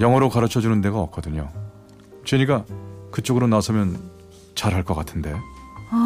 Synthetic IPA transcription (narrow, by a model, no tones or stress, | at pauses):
jʌŋɦʌɾokaɾɯt͡ɕʰʌd͡ʑunɯnde̞ɡaʌk͈̚ʌdɯɲo̰ | t͡ɕeɲik͈akɯt͡ɕ͈oɡɯɾonasʰɯmjʌn | t͡ɕaɾɦaɭk͈ʌk͈atʰɯnde̞